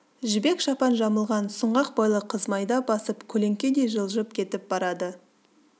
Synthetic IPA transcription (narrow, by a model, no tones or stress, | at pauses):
ʒɪbe̞kʃɑpɑnʒɑməlˠʁɑnsəɴʁɑq̚bɑjlˠəqʰəzmɑjd̪ɑbɑsəpkʲʰɵle̞ŋkʲed̪e̞jʒəlˠʒəpkʲʰe̞t̪ɪp̚b̥ɑɾɑd̪ə